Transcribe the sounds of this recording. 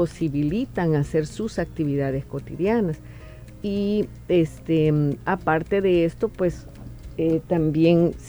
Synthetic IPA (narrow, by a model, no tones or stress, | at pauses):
osiβilit̪aŋaseɾsusak̚t̪iβiðaðesko̞t̪iðjanas | i | est̪eapaɾt̪eðeest̪opwes | et̪ambjens